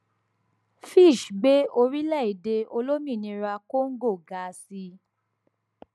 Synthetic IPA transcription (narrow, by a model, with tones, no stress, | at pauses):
fi˦˨ʃɡ͡be˦o˧ɾi˦lɛ˦˨i˨de˧o˧lo˦mĩ˦˨nĩ˧ɾa˧ko˦ŋ̩˦ɡo˦˨ɡa˨˦˧si˧